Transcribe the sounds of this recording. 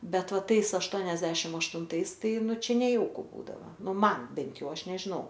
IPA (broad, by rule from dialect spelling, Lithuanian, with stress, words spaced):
ˈbʲɛt ˈʋɐ ˈtɐɪs ɐʃˈtuɔnʲɛzʲdʲɛʃʲɪm ɐʃtʊnˈtɐɪs ˈtɐɪ ˈnʊ ˈt͡ʃʲɛ nʲɛˈjɛʊkʊ ˈbuːdɐʋɐ ˈnʊ ˈmɐn ˈbʲɛnt ˈjɛʊ ˈɐʃ nʲɛʒʲɪˈnɐʊ